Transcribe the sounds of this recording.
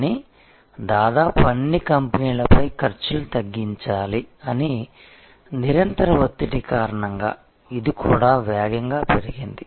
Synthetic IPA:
ni | d̪aːd̪aːpuɐɳːikɐmpɐniːlɐpɐjkɐɾt͡ʃulut̪ɐɡːiɲt͡ʃaːliɐni | niɾɐnt̪ɐɾɐʋot̪ːiʈikaːɾɐɳɐŋɡa̰ː | id̪ikuːɽaːʋjaːɡɐŋɡaːpe̞ɾiɡind̪i

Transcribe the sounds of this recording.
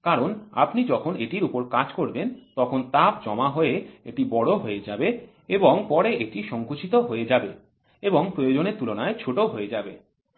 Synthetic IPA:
kaɾona̰pnid͡ʑɔkʰoneʈiɾupoɾkad͡ʑkoɾbent̪ɔkʰont̪ap̚d͡ʑɔmaɦoeḛʈibɔɽoɦoed͡ʑabe | eboŋpɔɾeʔeʈiʃɔŋkoʃʰit̪oɦoed͡ʑabe | eboŋpɾojod͡ʑoneɾt̪ulonaet͡ɕʰoʈoɦoed͡ʑabe

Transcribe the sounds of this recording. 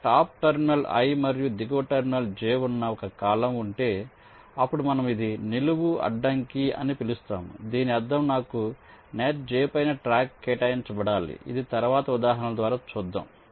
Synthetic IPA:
ʈaːp̚ʈɐɾminɐlɐ̰jmɐɾijud̪iɡoːʈɐɾminɐld͡ʒeːunːɐɔkɐkaːlɐmuɳʈe̞ː | ɐpːuɽumɐnɐmid̪iniluʋuɐ̰ɖːɐŋkiɐ̰nipilust̪a̰ːmṵd̪iːniɐd̪ːɐmnaːkuneːʈ̚d͡ʒɛːpɐjnɐʈɾaːkːeːʈɐjint͡ʃɐbɐɽaːlḭḭd̪it̪ɐɾʋaːt̪ɐud̪aːɦɐnɐmɐd̪ʋaːɾaːt͡ʃuːd̪ːɐ̰ːm

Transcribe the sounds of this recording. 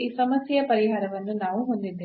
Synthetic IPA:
iːsɐmɐsjɐjɐpɐɾiɦaːɾɐʋɐnːunaːʋuɦo̞nd̪id̪ːeː

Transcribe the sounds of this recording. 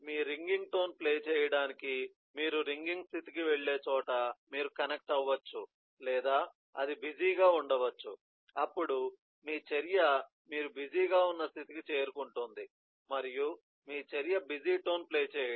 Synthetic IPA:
miːɾiŋɡiŋɡʈo̞ːnpleːt͡ʃɛːjɐɽaːniki | miːɾuɾiŋɡiŋɡst̪ʰit̪ikiʋeɭːe̞ːt͡ʃɔːʈɐmiːɾukɐnek̚ʈɐʋːɐt͡ʃːu | lɛːd̪aː | ɐ̰d̪ibid͡ʒiːɡaːuɳɖɐʋɐt͡ʃːu | ɐpːuɽu | miːt͡ʃeɾijɐ | miːɾubid͡ʒiːɡaːunːɐst̪ʰit̪ikit͡ʃe̞ːɾukuɳʈund̪i | mɐɾiju | miːt͡ʃeɾijɐbid͡ʒiːʈo̞ːnpleːt͡ʃɛːjɐ

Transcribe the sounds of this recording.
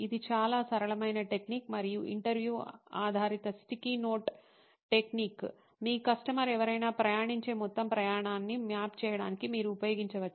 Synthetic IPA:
id̪it͡ʃaːlaːsɐɾɐɭɐmɐjnɐʈe̞kniːkmɐɾijuʔḭɳʈɐɾʋjuːaːd̪ʱaːɾit̪ɐst̪ikinoːʈ | ʈe̞kniːk | miːkɐsʈɐmɐɾɛʋɐɾɐjnaːpɾɐjaːɳiɲt͡ʃeːmɔt̪ːɐmpɾɐjaːɳaːnːimjaːpt͡ʃɛːjɐɽaːnikimiːɾuːpɐjo̞ːɡiɲt͡ʃɐʋɐt͡ʃː

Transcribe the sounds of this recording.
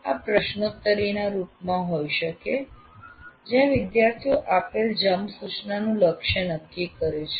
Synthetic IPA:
a̰pɾəʃnot̪ːəɾinaɾupmãɦojʃəke | d͡ʒjãʋɪd̪jaɾt̪ʰijoʔapeld͡ʒəmsut͡ʃnanũləkʃənəkːikəɾet͡ʃʰe

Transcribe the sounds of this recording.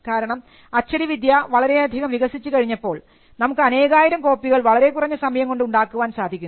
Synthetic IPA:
kaːɾɐɳɐm | ɐt͡ɕːɐɽiʋid̪jɐʋɐɭɐɾe̞ɐd̪ʱiɣɐmʋiɣɐsit͡ɕːɨkɐɻiɲːɐpːo̞ːɭ | nɐmukːɨɐne̞ːɣaːjiɾɐmko̞ːpːiɣɐɭʋɐɭɐɾe̞kurɐɲːɐsɐmɐjɐmŋko̞ɳɖɨuɳɖaːkːuʋaːnsaːd̪ʱikʲun

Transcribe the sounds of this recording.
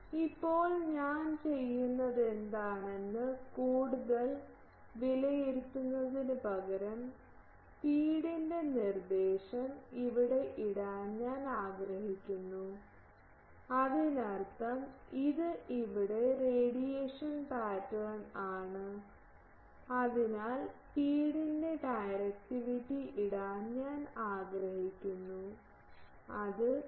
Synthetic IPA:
ipːo̞ːɭɲaːnt͡ɕe̞jːunːɐðe̞nd̪aːɳenːɨkuːɽuðɐl | ʋilɐjeɾut̪ːunːɐðinɨbɐɣɐɾɐm | piːɽinde̞nird̪eːʂɐmiʋiɽe̞ʔiɽaːnɲaːnaːɡrɐhikʲːunːu | ɐðinɐrt̪ɐmiðɨʔiʋiɽe̞reːɽijeːʂɐnpaːtːɐnaːɳɨ | ɐðinaːlpiːɽinde̞ɖɐjɾɐk̚ʈiʋitːiʔiɽaːnːaːnaːɡrɐhɦikʲːunːu | ɐðɨ

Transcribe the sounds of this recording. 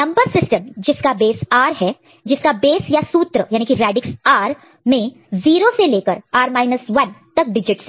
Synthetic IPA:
nɐ̃mbəɾsɪsʈəmd͡ʒɪskabeːsaːɾɦɛ | d͡ʒɪskabeːsjasuːt̪ɾəjaːnikiɾɛːɖɪksaːɾ | mẽ | ziːɾoseleːkəɾaːɾmaːɪnəsʋɐnt̪ɐk̚ɖɪd͡ʒɪʈs

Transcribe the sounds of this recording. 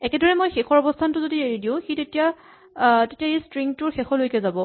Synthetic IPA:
ɛkɛdɔɹɛmojxexʰɔɹɔbɔstʰantʊzodieɹidiʊ̃xitetija | tetijaejstɹiŋtʊɹxexɔlojkɛzabɔ

